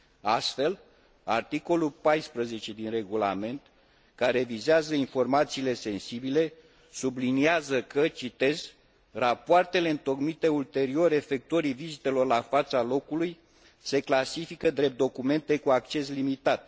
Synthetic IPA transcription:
ast̪fe̞l | a̰rt̪iko̞lulpajspɾəze̞t͡ʃe̞d̪inre̞ɡula̰me̞nt̪ | kaɾe̞vizeazəinfo̞rmat̪siːle̞se̞nsibile̞ | subliniazəkət͡ʃit̪e̞z | rapoart̪e̞le̞ɨnt̪o̞kmit̪e̞ult̪e̞ɾio̞ɾe̞fe̞k̚t̪uoɾivizit̪e̞lo̞rlafat̪salo̞kuluj | se̞klasifikəd̪ɾe̞p̚t̪d̪o̞kume̞nt̪e̞kuakt͡ʃe̞slimit̪at̪

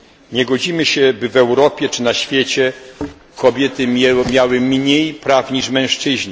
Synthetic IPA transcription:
ɲɛɡɔd͡ʑimɘɕɛbɘvɛwɾɔpʲjɛt͡ʂɘnaɕfʲjɛt͡ɕɛ | kʰɔbʲjɛt̪ɘmʲjawɘmɲejpɾafɲiʂmɛ̃ʂt͡ʂɘʑɲɛ

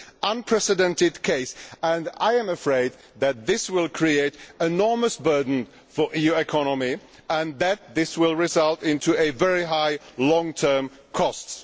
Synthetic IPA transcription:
ə̃npʰɹ̥ɛsɨdɛ̃ntɨd̚kʰeɪsə̃naɪɨ̃mɨfɹeɪd̪̚ | ðɨt̪̚ðɪswɪlˠkʰɹ̥ieɪɾɨnɔɹməsbɜ˞dⁿn̩ | fə˞ʔijʉɨkʰɑnəmi | ə̃nðɨt̪̚ðɪswɪlˠɹɪzʌlˠtɪ̃ntʰuɨvɛɹiɦaɪlɔ̃ŋtʰɜ̃˞m | kʰɔst

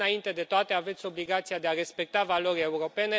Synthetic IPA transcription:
aint̪e̞d̪e̞t̪oat̪e̞ave̞t̪sʲo̞bliɡat̪sijad̪e̞are̞spe̞k̚t̪avalo̞ɾʲe̞uɾo̞pe̞ne̞

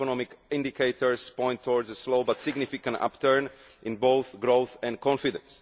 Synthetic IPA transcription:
ɔnɔmɪkĩndikʰeɪt̪ʰəɹspɔ̃j̃nt̪ʰːɔɹdzəsloʊbat̪sɪɡnifɪkãnta̰pt̪əɹn | ʔɪ̃nboʊθɡɾoʊθɛ̃nkʰɔ̃nfidɛ̰̃ns

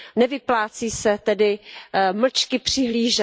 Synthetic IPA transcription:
nɛvɪplaːt͡siːsɛt̪ɛdɪml̩t͡ʃkɪpr̝̥ɪɦliːʒɛ

